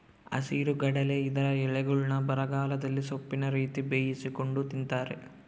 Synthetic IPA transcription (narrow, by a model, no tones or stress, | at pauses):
ɐ̰siːɾuɡɐɽɐleid̪ɐɾɐɛɭɛɡuɭnɐbɐɾɐɡaːlɐd̪ɐlːisopːinɐɾiːt̪ibeːjisiko̞ɳɖut̪int̪aːɾḛ